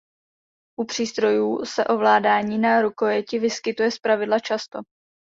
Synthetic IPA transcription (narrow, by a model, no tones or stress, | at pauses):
ʔupr̝̥iːst̪ɾo̞juːsɛʔo̞vlaːdaːɲiːnaɾukojɛcɪvɪskɪt̪ujɛspɾavɪdlat͡ʃast̪o̞